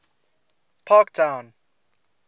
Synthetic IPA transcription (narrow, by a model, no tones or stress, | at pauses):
pʰaktʰãw̃n